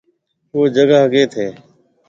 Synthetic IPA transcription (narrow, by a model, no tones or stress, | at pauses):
oːd͡ʒəɡaɦəɡeːt̪ʰeː